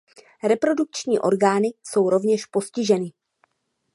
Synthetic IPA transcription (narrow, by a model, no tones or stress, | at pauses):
ɾɛpɾo̞duk̚t͡ʃɲiːʔoɾɡaːnɪso̞wɾo̞vɲɛʃpo̞scɪʒɛnɪ